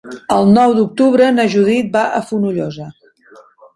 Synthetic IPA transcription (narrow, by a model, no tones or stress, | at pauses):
əlˠnɔwd̪uk̚t̪uβɾənəʒuðit̪̚baʔəfunuʎɔzə